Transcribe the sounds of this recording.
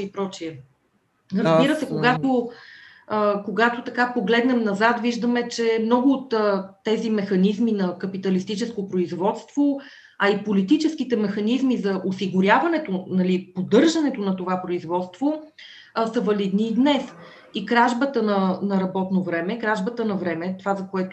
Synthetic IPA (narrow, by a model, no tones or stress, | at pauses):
ipɾɔt͡ʃiɛ | ɾəzbiɾəsɛkoɡat̪o | koɡat̪ot̪ɐkapoɡlɛd̪nɛmnɐzat̪viʒd̪əmɛt͡ʃɛmnɔɡʊːt̪ːɛzimɛxɐnizminɐkɐpit̪əlist̪it͡ʃɛskopɾoizvɔt̪st̪v̥o | ɐipolit̪it͡ʃɛsk̟it̪ɛmɛxɐnizmizɐʔosiɡʊɾʲjavɐnɛt̪onɐlipod̪ɤɾʒɐnɛt̪onɐt̪ovapɾoizvɔt̪st̪v̥o | sɐvɐlid̪niːd̪nɛs | ikɾaʒbət̪ənɐnɐɾɐbɔt̪novɾɛmɛkɾaʒbət̪ənɐvɾɛmɛt̪ovazɐkoɛt̪ʊ